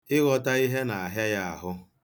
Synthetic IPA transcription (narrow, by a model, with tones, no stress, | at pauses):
ɪ˦ɣɔ˨ta˦i˦ɦe˦na˨a˨ɦja˦ja˦a̰˨ɦʊ˦